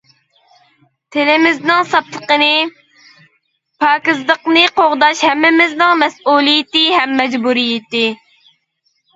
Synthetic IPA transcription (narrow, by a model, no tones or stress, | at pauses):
t̪ʰelɪmɪznɪŋsɑp̚t̪ʰəqənɨ | pʰɑːkɨzd̪əqnɨqoʁd̪ɑʃhɛmːɪmɪznɪŋmɛsuːlˠijɪt̪ɪɦɛmːɛd͡ʒbuɾijɪt̪ɪ